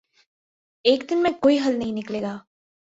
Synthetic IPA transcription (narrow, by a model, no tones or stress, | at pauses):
eːkd̪ɪnmɛ̃ːkoːiːɦəlnəĩːnɪkleːɡaː